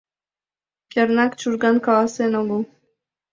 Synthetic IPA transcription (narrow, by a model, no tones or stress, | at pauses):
kʲeɾnakt͡ʃʰuɾɡankaasenabu